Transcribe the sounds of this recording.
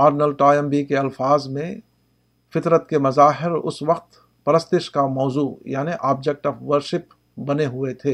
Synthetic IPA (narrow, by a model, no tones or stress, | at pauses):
aːɾnəlʈaːjɛ̃mbikeɐlfaːzmẽ | fɪt̪ɾət̪kemɐzaːɦɪɾʊ̰sʋɐqt̪ | pɐɾəst̪ɪʃkamɔːzuːjaːniʔaːb̚d͡ʒek̚ʈəːfʋəɾʃɪp | bɐneɦʊet̪ʰeː